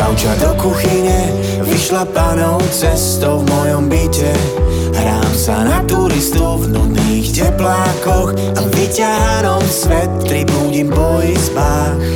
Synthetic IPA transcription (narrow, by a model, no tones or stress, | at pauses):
at͡ʃd̪ɔkuxiɲɛ | viʃlapaːnɔʊt͡sɛst̪ɔʊvmɔjɔmbicɛ | ɦɾaːmsa̰nat̪uɾist̪ɔvnuniːxcɛplaːkɔx | avicaɾanɔmsʋɛt̪ːɾibuːɟimpɔizbaː | x